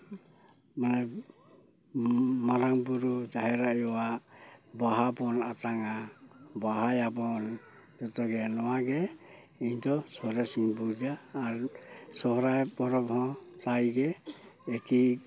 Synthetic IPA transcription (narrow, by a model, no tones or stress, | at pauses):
manaj | maɾaŋbuɾud͡ʒaɦeɾaiwabaɦabɔnataŋabaɦajabɔn | d͡ʒɔtɔɡenɔaɡe | intosɔhɾesiŋbuɾd͡ʒaːɾsɔɦɾaepɔɾɔphɔtajɡeːki